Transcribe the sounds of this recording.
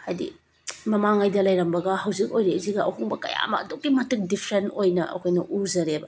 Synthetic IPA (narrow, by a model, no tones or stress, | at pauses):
adḭ | mɐmaŋajdɐlɐjɾɐmbɐɡɐɦɐwzik̚ojɾeziɡɐʔɐ̰ɦuŋbɐkɐ̰ja̰mɐ̰ɐduk̚ːimɐtɯk̚dipʰɾentojnɐʔɐ̰kʰojnɐʔuzɐɾebɐ